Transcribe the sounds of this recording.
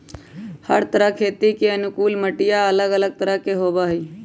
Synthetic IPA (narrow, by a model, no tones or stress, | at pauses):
həɾt̪əɾəkʰeːt̪ikeənʊkuːlməʈɪjaələɡələɡ̚t̪əɾəɦkeɦoːbaɦiː